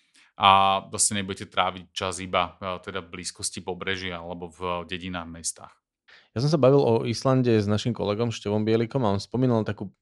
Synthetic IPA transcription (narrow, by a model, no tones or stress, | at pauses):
ʔazasɛɲɛbuɟɛcɛt̪ɾaːʋic̚t͡ʃazibat̪ɛd̪avbliːskɔscipɔbɾɛʒialɛbɔvɟɛɟinaːɣmɛst̪a̰ːx | jas̬ɔ̃ms̬abaʋilʔɔislanɟɛznaʃimkɔ̰lɛɡɔmʃcɛʋɔmbɪɛlikɔmaɔnspɔmiːnalt̪akuː